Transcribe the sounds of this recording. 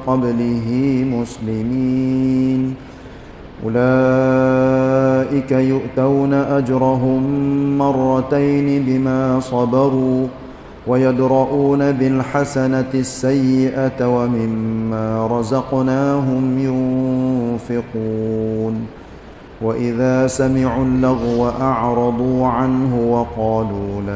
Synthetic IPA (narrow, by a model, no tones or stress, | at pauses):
qɑblɪɦɪmʊslɪmiːn | ʔʊ̰laː | ʔɪkajʊʔt̪awnaʔad͡ʒɾˤɑɦʊmːɑrˤːɑt̪ajnɪbɪmaːsˤɑbɑɾˤuː | wajad̪ɾˤɑʔuːnabɪlħasanasːajːɪʔat̪wamɪmːaːɾˤɑzɑqnaːɦʊmjʊn | fɪquːn | waʔɪðaːsamɪʕulːaɣwaʔaʕɾˤɑd̪ˤuːʕanɦʊwɑqɑːluːla